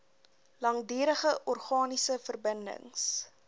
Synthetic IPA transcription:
lɐŋdiːɾəχəʔɔrχɑːnisəfərbəndə̰ŋs

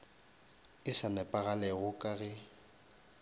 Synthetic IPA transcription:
ɪsanɛpʼaɣalɛɣʊkʼaɣɛ

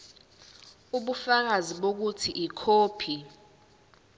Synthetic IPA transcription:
uɓufak̬aziɓok̬utʰiʔikʰoːpʰi

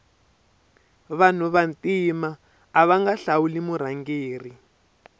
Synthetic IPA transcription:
βan̤uβantimaː | βaŋɡaɬawulimuɾaŋɡeːri

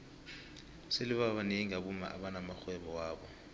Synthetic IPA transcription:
seliɓaɓaniiŋaɓuma̰ʔa̰ɓanamaxwɛɓɔwaːɓɔ

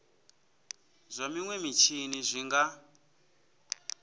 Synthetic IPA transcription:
zʷamiŋwɛmit͡ʃʰinizʷiŋɡa

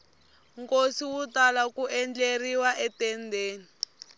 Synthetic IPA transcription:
ŋkosiwutalakuʔɛnd͡ɮeriwaʔɛtɛndeːni

